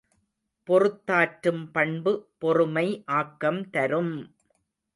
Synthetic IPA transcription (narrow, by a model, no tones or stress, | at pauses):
pɔrɯt̪ːaːʈɾɯmpɐɳbɯpɔrɯmɐɪʔaːkːɐmt̪ɐɾɯm